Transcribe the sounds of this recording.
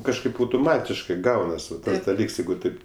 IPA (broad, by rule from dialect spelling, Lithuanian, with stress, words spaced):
kɐʃˈkɐɪp ɐʊtʊˈmɑːtʲɪʃkɜ ˈɡɐʊnɐs ˈʋɐt dɐˈlʲiːks ˈjɛɪɡʊ ˈtɐɪp